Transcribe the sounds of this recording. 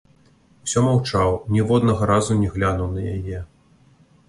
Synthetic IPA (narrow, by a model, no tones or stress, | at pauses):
sʲɔmawt͡ʂawnʲɛvɔd̪nɐɣɐɾazunʲɛɣlʲanuwnɐja̰jɛ